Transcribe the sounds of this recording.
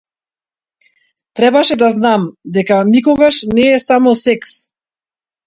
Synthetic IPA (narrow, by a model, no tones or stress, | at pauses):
t̪ɾɛbaʃɛd̪aznamd̪ɛkanikɔɡaʃnɛːsamɔsɛks